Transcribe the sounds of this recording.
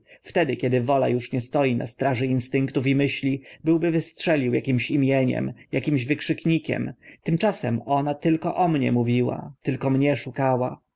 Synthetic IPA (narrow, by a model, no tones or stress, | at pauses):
ft̪ɛd̪ɘkʲɛd̪ɘvɔla̰juʂɲɛst̪ɔjinʔa̰st̪ɾaʐɘinst̪ɘŋkt̪ufimɘɕlʲibɘwbɘvɘstʂɛlʲiwjakʲimɕimʲjɛɲɛ̰mjakʲimʑvɘkʂɘkɲikʲɛ̰mt̪ɘmt͡ʂasɛmɔnat̪ɘlkɔ̰ʔɔmɲɛ̰muvʲiwa̰t̪ɘlkɔmɲɛʂukawa